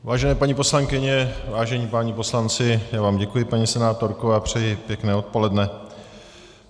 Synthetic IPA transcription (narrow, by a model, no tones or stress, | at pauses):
vaːʒɛnɛːpaɲipo̞slaŋkɪɲɛvaːʒɛɲiːpaːɲipo̞slant͡sɪjaːvaːmɟɛkujɪpaɲisɛnaːt̪o̞ɾkoapr̝̥ɛjɪpjɛknɛːo̞t̪̚po̞lɛdnɛ